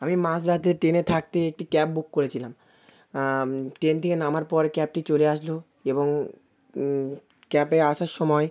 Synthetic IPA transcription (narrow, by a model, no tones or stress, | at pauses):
amimãsɾat̪eʈenet̪ʰak̚t̪eek̚ʈikɛp̚bukːoɾet͡ɕʰilam | ʈent̪ʰekenamaɾpɔɾkɛp̚ʈit͡ɕoleaʃlo | eboŋ | kɛpeaʃaɾʃɔmɔe